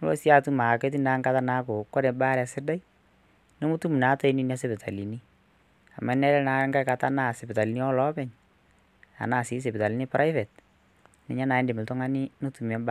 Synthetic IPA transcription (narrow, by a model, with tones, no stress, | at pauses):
lo̰˦sja˦tu˦ma˨ke˦t̬i˦na˨˦ŋɡa˦ta˦na˦ko˨kɔ˦ɾɛ˨baː˦ɾɛ˨sɪ˦da˦i | no˦mu˦tu˦mu˨na˨˦to˦i˦ni˦na˦se˦bɪ˨tʰa˨li˨ni˦ | a˨ma˨˦nɛ˦lɛ˦na˨˦ŋɡa˦ka˨ta˦na˦˨se˨bɪ˨ta˨li˨ni˦ɔ˦lɔ˦bɛ˨ɲ | a̰˨na˦˨si˨˦s̬e˨pta˨li˨˦ni˦pɾa˦ɪ˦fɛ˨t | nɛ˨ɲa˦na˨ɛ˦ndɪ˨mɪ˨ltɔ˦ŋa˦ni˦no˦tu˨m˨ɛ˨˦ba˦